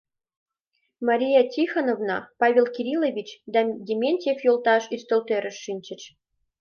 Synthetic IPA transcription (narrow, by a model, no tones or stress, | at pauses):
mɑɾʲijɑtʲixanovnɑ̰pɑβʲelkʲiɾʲilovʲit͡ɕd̪ɑjemʲenʲt̪ʲefjolˠt̪ɑʃyst̪ə̆lt̪eɾə̆ʃːinʲt͡ɕɘ̆t͡ɕ